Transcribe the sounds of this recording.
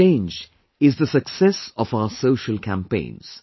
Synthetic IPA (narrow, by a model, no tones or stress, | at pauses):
ẽɪ̃nd͡ʒ | ɪzðəsəksɛsəvaʊəsoʊʃəlˠkʰæ̃mpẽɪ̃nz̥